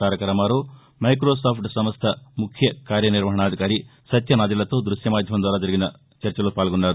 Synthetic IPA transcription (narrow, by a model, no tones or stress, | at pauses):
aːɾɐkɐɾɐmaːɾo | mɐjkɾoːsaːpʰʈsɐmɐst̪ʰɐmukʰjɐkaːɾjɐniɾʋɐɦɐɳaːd̪ʱikaːɾisɐt̪jɐnaːd̪ilɐt̪oːd̪ɾuʃjɐmaːd̪ʱjɐmɐmd̪ʋaːɾaːd͡ʒɐɾiɡinɐ | t͡ʃɐɾt͡ʃɐloːpaːlɡonːaːɾu